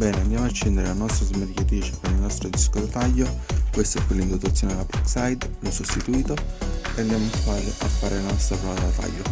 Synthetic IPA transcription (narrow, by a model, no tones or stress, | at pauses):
bɛːneand̪jaːmoat͡ʃːind̪eɾelanːɔst̪ɾazmeɾkat̪ɾiːt͡ʃe̥peɾilnɔst̪ɾod̪iskod̪at̪ajːokwest̪oɛpːelːind̪ot̪at̪sːjoːned̪elapɾiksajd̪lusost̪it̪uiːt̪oɛnd̪amunt̪ːuaːlɪʔafːaːɾelanɔst̪ɾapɾɔad̪at̪a̰jːo